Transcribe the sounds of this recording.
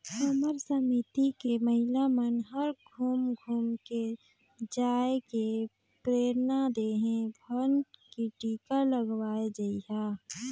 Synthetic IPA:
xəməɾsəmit̪ikeməɦɪlamənɦəɾɡʱuːmɡʱuːmke | d͡ʒaːeke | pɾeːɾnad̪eɦẽbʱənʈkiʈiːkaləɡwaːed͡ʒaiɦa

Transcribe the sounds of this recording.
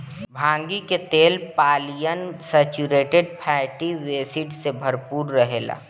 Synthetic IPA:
bʱãːŋɡiket̪eːlpaːlijənsɛt͡ʃuɾeːʈeɖ̚pʰɛːʈiʋeːsiɖsebʱəɾpuːɾːəɦeːla̰ː

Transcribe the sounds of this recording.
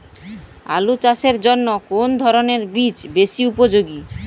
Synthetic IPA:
a̰lut͡ɕaseɾd͡ʑonːokond̪ʱɔɾoneɾbit͡ɕbesiupod͡ʑoɡi

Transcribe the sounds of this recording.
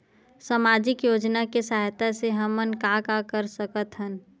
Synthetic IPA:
saːmaːd͡ʒɪkjoːd͡ʒnakesaːɦjt̪aseɦəmənkakakəɾsəkət̪ɦən

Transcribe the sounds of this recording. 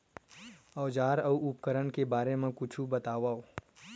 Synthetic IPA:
ɔːd͡ʒaːɾɐuup̚kəɾəɳkebaːɾemẽkʊt͡ʃʰubət̪aːʋaːo

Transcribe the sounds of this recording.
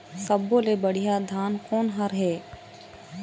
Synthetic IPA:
sɐbːolebəɽ̤ijad̪ʱaːnkɔːnɦɐɾɦɛː

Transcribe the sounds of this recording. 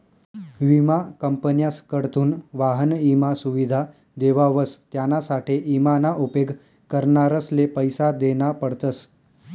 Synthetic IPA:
ʋimakəmpənjaskəɽt̪uːnʋaɦənimasuʋid̪ʱa | d̪eʋaʋəst̪janasaʈʰeʔimanaʔupeɡ | kəɾɳaɾəslepəjsad̪enapəɽt̪əs

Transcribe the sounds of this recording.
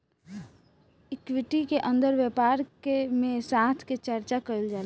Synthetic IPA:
ɪkwɪʈikeʔə̃nd̪əɾʋjəpaːɾkemẽsaːt̪ʰket͡ʃəɾt͡ʃakəəld͡ʒaːl

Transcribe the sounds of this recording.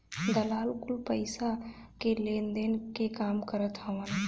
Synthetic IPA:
d̪əlaːlkulpəɪsakelend̪enkekamkəɾət̪ɦəʋən

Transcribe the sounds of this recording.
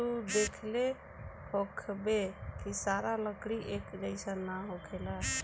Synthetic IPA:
ud̪ekʰle | hokʰbekisaɾaləkɽiʔekd͡ʒəɪsanaɦokʰela

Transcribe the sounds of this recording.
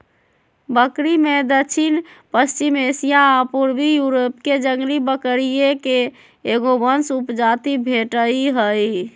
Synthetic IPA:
bəkɾimed̪ət͡ʃʰinpəst͡ʃimesijaːpuɾbijuɾopked͡ʒəŋɡlibəkɾijekeː | ɡobənsupd͡ʒat̪ibʱeʈəiɦəj

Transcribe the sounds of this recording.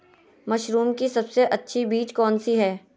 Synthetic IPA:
mɐʃɾuːmkisɐbseʔɐtːʃʰibiːt͡ʃkɔːnsiɦɛː

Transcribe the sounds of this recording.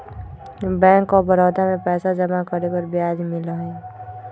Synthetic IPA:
bɛ̃ːŋkːobəɾɔːd̪amẽpɛːsad͡ʒəmakəɾekəɾbjaːd͡ʒmɪləɦɛ̃

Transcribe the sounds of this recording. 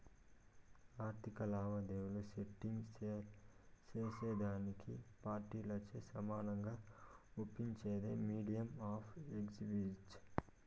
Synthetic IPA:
aːɾt̪ʰikɐlaːʋɐd̪eːwuluseʈːiŋɡ | t͡ʃeːseːd̪aːnikʰipaːɾʈiːlɐt͡ʃesɐmaːnɐŋɡaːupːiɲt͡ʃeːd̪ḛːmiːɖijɐmaːpʰekd͡ʒibit͡ʃ

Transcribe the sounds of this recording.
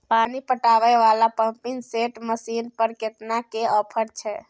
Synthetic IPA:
panipəʈaʋɛʋalapəmpiŋseʈməsinpəɾket̪nakeəpʰəɾt͡ʃʰɛ

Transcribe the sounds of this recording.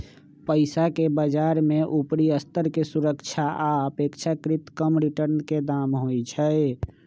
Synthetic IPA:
pəɪsakebəd͡ʒaɾmeʔupɾiəst̪əɾkesuɾəkt͡ʃʰaʔaəpekt͡ʃʰakɾit̪kəmɾiʈəɾnked̪amɦojt͡ʃʰəɪ

